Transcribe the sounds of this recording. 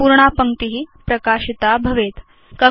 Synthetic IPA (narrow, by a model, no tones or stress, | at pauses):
uɾɳapəŋt̪iɦiːpɾəkaɕit̪abʱəʋet̪ | kə